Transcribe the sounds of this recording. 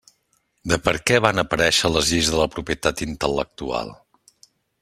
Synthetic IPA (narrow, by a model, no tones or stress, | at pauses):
d̪əpəɾkɛβanəpəɾɛʃələzʎizðələpɾupiət̪at̪int̪ələk̚t̪ua̰lˠ